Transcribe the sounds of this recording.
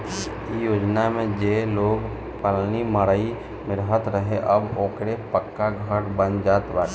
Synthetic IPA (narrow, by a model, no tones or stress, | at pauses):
ɪs | ijoːd͡ʒnamẽd͡ʒeːloːɡ | pəlniməɾai | mɪɾɦət̪ɾəɦeʔɐboːkɾepəkːaɡʱəʈbənd͡ʒaːt̪baːʈ